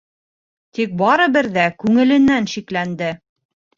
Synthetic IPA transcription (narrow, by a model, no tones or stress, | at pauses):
t̪ik̚bɑɾɤbɘɾðækʉŋɘ̆lɘ̆nːænʃiklænd̪ɘ